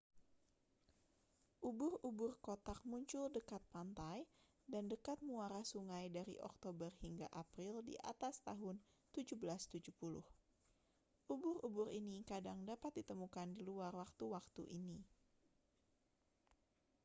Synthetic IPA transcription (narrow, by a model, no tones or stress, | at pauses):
ʔubʊrubʊrkot̪ak̚muɲt͡ʃʊldəkat̪̚pant̪aj | dandəkat̪̚muaɾahsuŋajdaɾḭʔɔ̰k̚t̪obərhiŋɡa̰ʔapɾildḭʔa̰t̪ast̪aɦʊnt̪ud͡ʒubəlast̪ud͡ʒupulʊ̰h | ʔubʊrubʊɾinikadaŋdapat̪̚dit̪əmukandiluarwak̚t̪uwak̚t̪ṵʔini